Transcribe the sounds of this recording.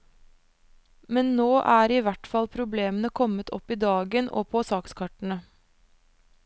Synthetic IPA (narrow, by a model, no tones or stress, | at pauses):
mɛnnoːʔæːɾiːʋæʈfɑlpʰɾʊbleːmənəkʰɔmət̪ʰɔ̰piːd̪ɑːɡənʔo̰ːpʰoːsɑːkskʰɑʈɳ̩ə